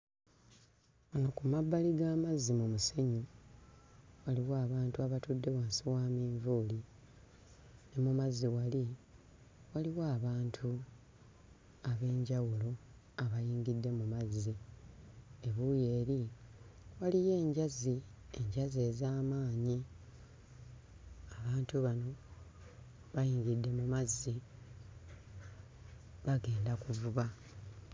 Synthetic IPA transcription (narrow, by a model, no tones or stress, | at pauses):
onokumabːaliɡaːmazːimumuseɲu | waliwaːβaːntuaβatudːe̞waːnsiwaːmiːɱvuːli | nemumazːiwali | waliwaːβaːntʰu | aβe̞ːɲɟawulo̞ | aβajiːŋɡidːe̞mumazːi | e̞βuje̞ːɾi | walije̞ːɲɟazi | e̞ɲɟaze̞ːzaːmaːɲi | aβaːntuβano̞ | βajiːŋɡidːe̞mumazːi | βaɡe̞ːndakuvuβa